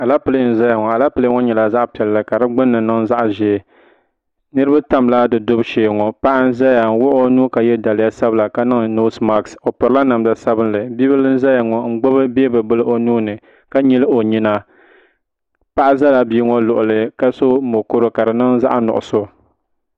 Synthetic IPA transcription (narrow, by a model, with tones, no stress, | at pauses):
a˨la˦pɨ˨lɨ˦n̩˦˨za˦ja˨ŋɔ˨a˨la˦pɨ˨lɨ˦ŋɔ˦ɲɛ˨la˨za˦ʔpɛ˨lːɨ˦ka˨dɨ˦ɡ͡bʊ˦nːɨ˨nɨ˦ŋza˦ʔʒeː˨ | nɨ˦ɾɨ˦ba˦ta˦mla˦dɨ˨dʊ˦bʃeː˨ŋɔ˨pa˦ʔa˦n̩˦za˦ja˨ŋ̩˦wʊ˦ʔnuː˦ka˨jɛ˦da˨lja˦sa˦bla˨ka˦nɨ˦ŋno˦sma˦kso˨pʊ˨ɾɨ˦la˦na˨mda˨sa˦bɨ˦nlɨ˨bi˦bɨ˦lɨ˦n̩˦za˦ja˨ŋɔ˨ŋ̩˦ɡ͡bʊ˦bɨ˦beː˦bɨ˨bɨ˦lɨ˦ʔo˦nuː˦nɨ˨ | ka˦ɲɛ˦lɨ˦o˨ɲi˦na˦ | pa˦ʔa˦za˦la˨biː˦ŋɔ˦lʊ˨ʔʊ˨lɨ˨ka˦so˦mo˨ko˦ɾo˦ka˨dɨ˨nɨ˦ŋza̰˦ʔnʊ̰˨ʔʊ̰˨so˦